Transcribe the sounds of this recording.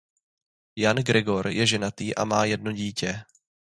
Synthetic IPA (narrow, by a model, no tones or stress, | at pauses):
janɡɾɛɡo̞ɾjɛʒɛnat̪iːʔa̰maːjɛd̚no̞ɟiːcɛ